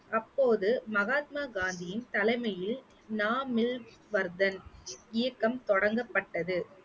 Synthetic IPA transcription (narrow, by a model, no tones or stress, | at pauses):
ʔɐpːoːðɯmɐɣaːt̪̚maːɡaːnd̪ɪjɪnt̪ɐlɐɪmɐjɪl | naːmɪl | ʋɐɾd̪ɐnɪjɐkːɐmt̪ɔɽɐŋɡɐpːɐʈːɐðɯ